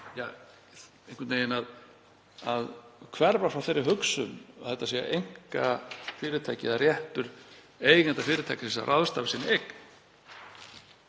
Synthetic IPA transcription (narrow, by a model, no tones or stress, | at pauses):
jaː | ejŋkʏnt̪nejɪnað | aðkʰvɛɾvafɾawfθejɾːɪɦʏksʏnθɛht̪ːasia̰ʔejŋ̥kafɪːɾɪt̪ʰajcɪðarjɛht̪ʏɾ | eːjkant̪afɪːɾɪt̪ʰajcasɛsa̰rʔaðst̪aːvɪsɪːnɪɛk